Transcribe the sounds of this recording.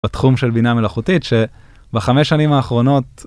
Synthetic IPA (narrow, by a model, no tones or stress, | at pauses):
atχumʃe̞lbiname̞laχutitʃe | baχameʃːanimaːχʁo̞no̞t̚